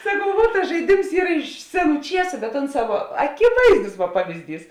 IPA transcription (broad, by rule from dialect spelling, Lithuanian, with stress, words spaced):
sɐˈkɐʊ ʋuɔt tɐs ʒɐɪˈdʲɪms ˈiːr ɪʃ ˈsʲæːˌnuː ˈt͡ʃʲiɛsʊ bʲɛt ˈoːnˌsɑː ʋuɔ ɐkʲɪˈʋɐɪzdʊs ʋuɔ ˈpɑːʋʲɪzʲˌdʲiːs